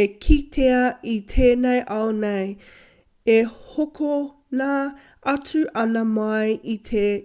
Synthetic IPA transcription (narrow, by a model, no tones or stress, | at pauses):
ekʰitʰeɐit̪ʰeːnejʔɐwnej | ehokʰo | naː | ɐt͡sʉʔɐnɐmɐjʔit̪ʰe